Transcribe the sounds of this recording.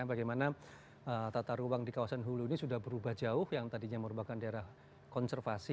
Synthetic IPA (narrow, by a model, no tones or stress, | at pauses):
abaɡajmana | ət̪at̪aɾuwaŋdikawasanɦulunisudahbəɾubahd͡ʒaʊhjaŋt̪adiɲaməɾupakandaeɾah | kɔnsərfasi